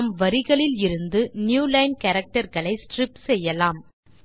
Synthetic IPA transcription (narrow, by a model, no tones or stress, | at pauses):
mʋɐɾɪɣɐɭɪlɪɾɯnd̪ɯnjuːlɐɪnkɐɾɐk̚ʈɐɾɣɐɭɐɪsʈrɪpsɛjːɐlaːm